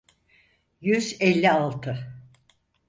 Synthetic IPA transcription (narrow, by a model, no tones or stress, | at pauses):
jyzɛlʲːialˠt̪ʰɯ